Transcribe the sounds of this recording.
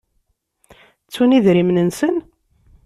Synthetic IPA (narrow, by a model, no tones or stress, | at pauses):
t͡sːuniðɾimnənsən